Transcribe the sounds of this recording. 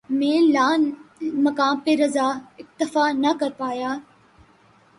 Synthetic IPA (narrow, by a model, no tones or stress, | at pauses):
mẽːlaːnmɐkaːmpeɾɐzaːɪk̚t̪ɪfaːnɐkɐɾpaːjaː